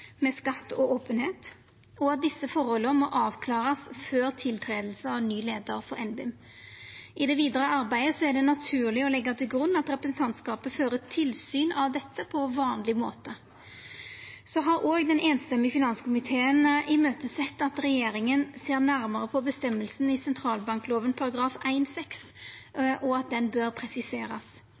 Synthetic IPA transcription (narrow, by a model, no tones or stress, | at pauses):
mɛskɑt̪ːɔʔoːpənheːt̪ | ɔɑt̪̚d̪ɪsːəfɔɾhɔlːəmɔʔɑːʋkʰlɑːʁəsføːɾt̪ʰɪlt̪ʰɾeːd̪l̩səɑʋnyːleːd̪əɾfɔɾɛnbɪm | ʔɪd̪ɛʋiːd̪əɾəɑɾbæɪd̪əsɔæʁɖ̪ɛnɑt̪ʰʉːʁlɪɔlɛɡːɑt̪ʰɪlɡʁʉnːɑt̪ɾɛpɾəsn̩t̪ʰɑnt̪skɑːpəføːɾət̪ʰɪlsyːnʔɑʋd̪ɛt̪ːəpʰɔʋɑːnlɪmoːt̪ə | sɔɦɑɾʔoːɡd̪ɛneːnst̪ɛmːɪfɪnɑnskʊmɪt̪ʰeːənɪmøːt̪əsɛt̪ːɑt̪ʁɛjeːɾɪŋənseːʁnæʁməʁəpʰɔbəst̪ɛmːəlsn̩ɪsɛnt̪ʰʁɾɑːlbɑŋkloːʋənpʰɑɾɑɡɾɑːfæɪnsɛks | ʔɔɑt̪̚d̪ɛnbøɾpʰɾɛsɪseːɾɑs